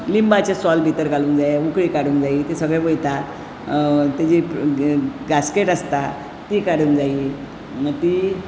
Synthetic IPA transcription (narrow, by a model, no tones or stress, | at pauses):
limbat͡ɕjasɔlbʱit̪əɾkɡaluːŋkd͡zajeukɽikaɽuːŋkd͡zait̪esəɡɭɛ̃ʋojt̪a | t̪ad͡ʑi | ɡaskeʈəst̪a | t̪ikaɽuŋd͡zai | t̪i